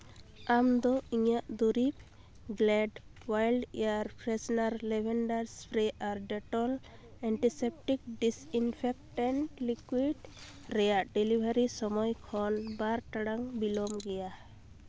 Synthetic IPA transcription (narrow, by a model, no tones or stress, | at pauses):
amd̪ɔiɲaʔd̪uɾip̚ | ɡlɛɖwajlɖɛaɾpʰɾɛsnaɾlɛbʱɛɳɖaɾspʰɾɛʔaɾɖɛʈɔl | ɛɳʈisep̚ʈik̚ɖisinpʰɛk̚ʈaɳʈlikwiɖ | ɾɛjaʔɖɛlibʱaɾisɔmɔjkʰɔnbaɾʈaɽaŋbilɔmɡɛja